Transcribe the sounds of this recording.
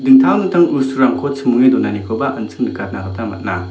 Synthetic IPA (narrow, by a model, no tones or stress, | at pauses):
dɯŋtʰawnɯtʰaŋusuɾamkʰɔt͡ʃʰɯmuŋidɔnanikʰɔwbaʔɯnt͡sʰɯ̥ŋdɯkʰat̚nakʰatʰama̰t̚na